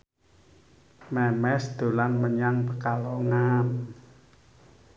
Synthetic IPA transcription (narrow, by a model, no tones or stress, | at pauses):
mɛmɛsd̪̥o̤lanməɲaŋpəkaloŋam